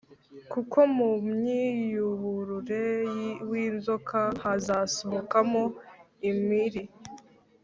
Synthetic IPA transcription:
kukʰo̞mumɲijuβuɾuɾe̞jwiːzo̞kʰahazasoβokamo̞ | imiɾi

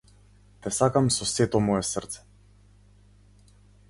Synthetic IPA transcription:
t̪ɛsakamsɔsɛt̪ɔmɔjɛsrt̪sɛ̥

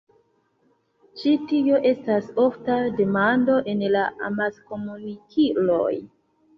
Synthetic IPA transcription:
t͡ʃitio̞ʔe̞staso̞ftade̞mando̞ʔe̞nlaʔa̰maskomunikʰilo̞̰j

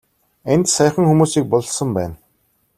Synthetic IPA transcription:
ent̪sæjχə̆ŋxumuːsiːk̚pɔɮ̆sə̆mpæːn

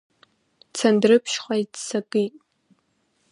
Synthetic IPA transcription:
t͡sʰandrɨpʰʃχajdsakʼɨjtʼ

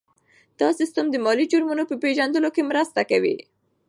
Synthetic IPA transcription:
d̪̥ɑsɪst̪əmd̪əmɑlid͡ʒuɾmunopəpeʒand̪əlokemɾəst̪akawḭ

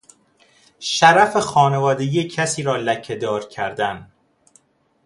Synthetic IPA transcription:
ʃæɾæfexɒːne̞vɒːd̪ejiːecʰæsiːɾɒːlæcʰːed̪ɒːɾcʰæɾd̪æn

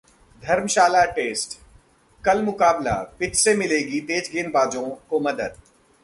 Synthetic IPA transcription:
d̪ʱɐɾmʃaːlaʈeːsʈ | kɐlmʊkaːbla̰ːpɪt͡ʃsemɪleːɡit̪eːd͡ʒɡeːnbaːd͡ʒõkomɐd̪əd̪̚

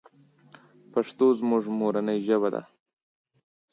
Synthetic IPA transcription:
paʂt̪ozmʊʐmoɾanəjʒəbad̪a̰

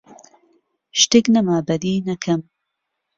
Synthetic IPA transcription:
ʃt̪eːknɐmaːbɐd̪iːnɐkʰɐm

